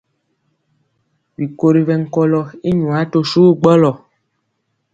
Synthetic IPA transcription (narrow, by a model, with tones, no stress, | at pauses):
vi˨ko˨ɾi˨vɛ˨ŋ̩˦kɔ˦lɔ˨i˦ɲũ˨a˨˦to˦su˦ɡ͡bɔ˦lɔ˨